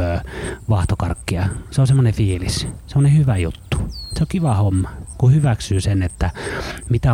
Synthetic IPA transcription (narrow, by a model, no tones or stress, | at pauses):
øːʋɑht̪okɑrkːiɑseonsemːonefiːlissemːonehyʋæjṵt̪ːu̥seokiʋɑhomːɑkuhyʋæksyːsenet̪ːæmit̪æ